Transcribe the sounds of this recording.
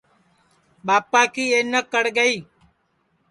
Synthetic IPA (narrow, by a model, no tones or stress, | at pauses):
ɓaːpːaːkiːeːnəkːəɽɡəiː